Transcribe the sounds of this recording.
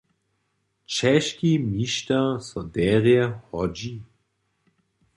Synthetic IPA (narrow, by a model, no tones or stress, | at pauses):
t͡ʃɛʃkimiʃtɐsɔdɛːʁeɐhɔd͡ʒi